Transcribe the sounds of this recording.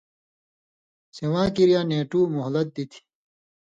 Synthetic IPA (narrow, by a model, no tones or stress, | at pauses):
sewãːkiɾijaːneːʈuːmoɦlɐt̪̚d̪it̪ʰi̥